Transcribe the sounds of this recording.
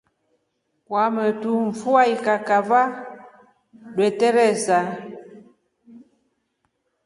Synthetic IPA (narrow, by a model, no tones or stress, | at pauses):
kwamətuɱ̩fuaikakava | dwɛtɛɾɛsa